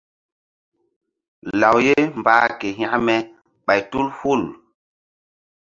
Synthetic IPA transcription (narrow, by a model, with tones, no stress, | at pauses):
la˨wje˦m˨baː˦ke˨ɦa˦mɛ˨ | ɓa˨jtu˦lhu˦˨l